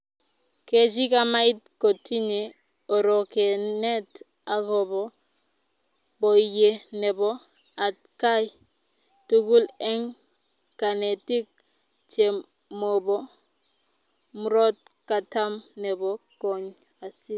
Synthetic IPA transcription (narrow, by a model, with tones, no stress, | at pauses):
ke˨d͡ʒ̬i˦ka˦ma˦i˦t̚ko˨tʰi˦ɲe˨ | o˨ɾɔ˨ke˨ne˦t | a˦ɣɔ˨bɔ˨ | bɔ˨i˨je˨nɛ˨bɔ˦ | a˨t̚ka˦j | tu˦ɡu˦lɛ˦ŋ | ka˨ne˨ti˦k̚ | t͡ʃe˨ | mo˨bɔ˦ | mu˦ɾɔ˦t̚ka˨ta˦mnɛ˨bɔ˦kɔ˨ɲ | a˨si˦